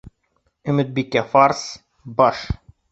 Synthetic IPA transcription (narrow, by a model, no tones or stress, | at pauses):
ɵ̆mɘ̆t̪̚bikːæfars | bɒʃ